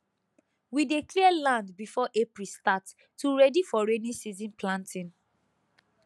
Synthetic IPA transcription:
widekliɛlãndbifɔʔepɹistatː | uɹɛdifɔɹenisizĩnplãntʰĩn

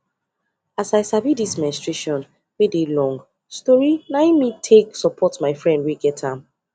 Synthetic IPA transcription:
asaɪsavidismɛ̃nstɹeʃɔ̃n | wedelɔ̃ŋɡ | stɔɹinajmitʰeksɔpʰɔtmaɪfɹɛ̃ndwiɡɛtʰãm

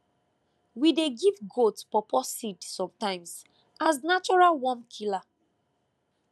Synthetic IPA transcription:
wideɡivɡotpɔpɔsidsɔ̃mtãɪ̃ms | aznat͡ʃɔɹalwɔ̃nkʰila

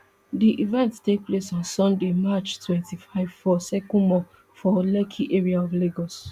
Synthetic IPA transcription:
diʔivɛ̃nttek̚plesɔ̃nsɔ̃ndemat͡ʃtwɛ̃ntʰifaɪvfɔsɛkɔ̃nmɔ | fɔlɛkʰiʔeɹiaɔvleɡɔs

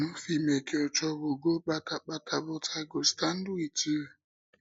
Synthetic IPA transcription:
nʊfimekeɔt͡ʃɔβoɡok͡patak͡patʰabʊtaɡostan̩dʊiti

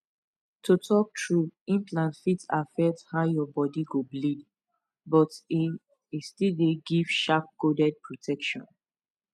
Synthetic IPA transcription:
tutʰɔk̚tʰɹuĩnpʰlãnfitafɛthaʊjɔbɔdiɡoblid | bɔti | istildeɡiv̥ʃap̚kodɛd̚pɹotʰɛkʃɔ̰̃n

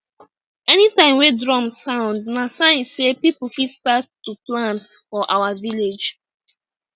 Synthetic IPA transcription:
ɛnitãɪ̃mwedɹɔ̃msãʊ̃ndnasãɪ̃nsepipl̩fistatː | uplãntfɔʔawaviled͡ʒ

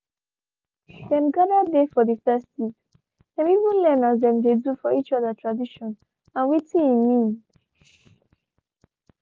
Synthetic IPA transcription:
ðɛ̃mɡadadefɔðifɛstit | dɛ̃mivũnlɛnazðɛ̃mdedufɔit͡ʃɔðatɹadiʃɔ̃n | ãnwitiimĩn

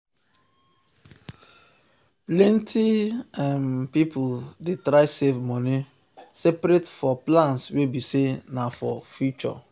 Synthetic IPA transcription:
plẽntʰianpipʰudetɾaɪsevmɔni | sɛpɾetfɔplãnswebisenafɔ̰fjut͡ʃɔ̰

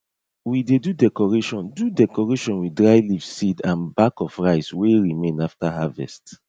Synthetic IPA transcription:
widedudɛkɔɹeʃɔ̃ndudɛkɔɹeʃɔ̃nwidɹaɪlifsidãnbakɔfɹaɪsweɹimẽnaftaɦavɛ̰st

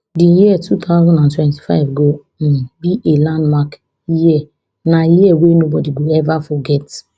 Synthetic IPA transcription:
dijiɛtʰut̪ʰaʊzãndãntwɛ̃nti̥fa̰ɪvɡo | m̩biʔelãndmak | jiɛ | najiɛwenobɔdiɡoɛvafɔɡɛt

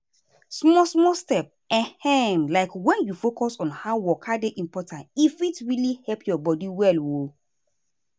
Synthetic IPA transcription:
smɔsmɔstɛp̚ | ɛ̃hɛmlaɪkwɛ̃njufokɔsɔ̃nhaʊwɔkʰadeʔĩmpɔtʰãntifitɹilihɛlpjɔbɔdiwɛlwo

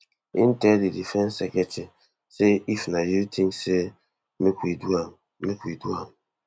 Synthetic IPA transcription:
ḭn̩tɛdidifɛnsɛket͡ʃɪ | seifnajitʰiŋse | mekʷidua | mekʷiduam̩

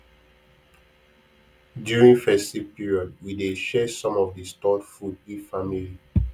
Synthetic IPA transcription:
djuɹĩŋfɛstipiɹiɔd̚wideʃɛsɔ̃mɔvdistɔdfud̚ifamili

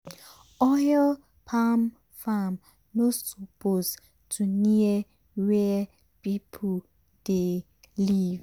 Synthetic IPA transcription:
ɔjl | pʰam | fam | nossopos | tʰuniɛ | wɛ | pipʰo | d̥e | liv

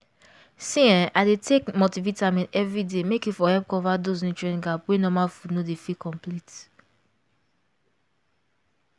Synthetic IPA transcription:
sĩɛ̃nadetʰekmotivitamĩnɛvɹidemekjufɔhɛlp̚kɔvados̬nũt͡ʃɹɛ̃nɡapwenɔmalfudnodefikɔ̃mplit

